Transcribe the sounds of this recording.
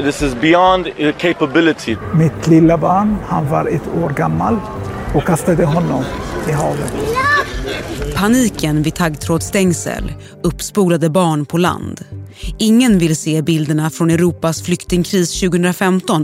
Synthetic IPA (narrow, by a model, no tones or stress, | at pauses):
ðɪsɪzbɪɑ̃ndəkʰeɪpəbɪlɪtʰimɪt̪ʰlɪlːabɑːɳhanvaɾɛt̪ʰːoːɾɡamːal | ɔkʰːast̪ad̪əɦɔnːɔmɪɦɑːvə̰t̪ | pʰaniːkənvɪdt̪ʰaɡt̪ʰɾoːd̪st̪ɛŋsɛ̰l | ɵpːspuːɾad̪əbɑːɳpʰɔla̰nd̪ɪŋːənvɪlseːbɪld̪əɳafɾɔnɛɾuːpasflʏkt̪ɪŋkʰɾiːsɕʉ̟ːɡəhɵnɾafɛmt̪ɔn